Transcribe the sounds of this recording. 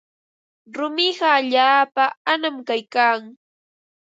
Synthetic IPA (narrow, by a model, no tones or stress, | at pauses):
ɾʊmɪɢɑːʎaːpaanamkajkaːŋ